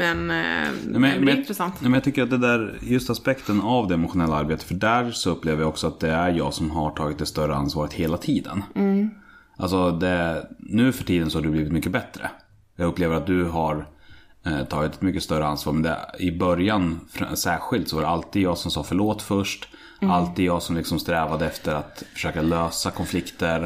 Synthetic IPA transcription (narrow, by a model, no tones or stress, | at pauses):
mɛnamɛmɛnɪt̪ɾɛsant̪amɛnjɑt̪ʰʏkːəɾat̪̚d̪ɛd̪æɾjɵst̪aspɛkt̪ənavd̪ɛɛmʊɧʊnɛlːaaɾbeːt̪ə̥fœɖæːɾsɔɵpːleːvəɾjaɔksɔat̪̚d̪ɛæɾjɑ̰ːɡsɔmɦaʈʰɑːɡɪt̪̚d̪ɛst̪œɾəa̰nsvɑːɾət̪heːlat̪ʰiːd̪ə̰n | ʔalsɔd̪ɛnʉ̟ːfœʈʰiːd̪ənsɔhaɖɵbliːvɪt̪mʏkːəbɛt̪ɾə̰ | jɑːɡɵpːleːvəɾat̪̚d̪ɵɦaɾ | t̪ʰɑːɡɪt̪ɛt̪mʏkːəst̪œɾəansvɑːɾmɛnd̪ɛ̰ɪbœɾjanfsæːɾɧɪlt̪sɔvaɾɛalt̪iːd̪jɑːɡsɔmsɑːfœɭoːt̪ːfœʂʈ | alt̪iːd̪jɑːɡsɔmlɪksɔmst̪ɾɛːvad̪əɛft̪əɾat̪fœ̥ʂøːkaløːsakʰɔnflɪkt̪əɾ